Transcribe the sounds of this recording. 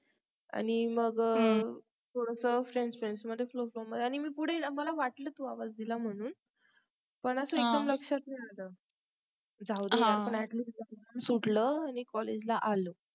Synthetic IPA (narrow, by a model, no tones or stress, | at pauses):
a̰ɽ̃iməɡ | t̪ʰoɽəsəfɾeɳɖsfɾeɳɖsməd̪ʱːjeflofloməd̪ʱeaɽ̃imiːpuɽ̤eməlaʋaʈləːt̪uːaʋad͡zd̪ilam̤əɽ̃uːn | pəɳəsəːekd̪əmləkʂat̪̚najaləː | d͡zawd̪əapəɳæʈliːsləənsuʈləañikɔled͡ʑlaʔalə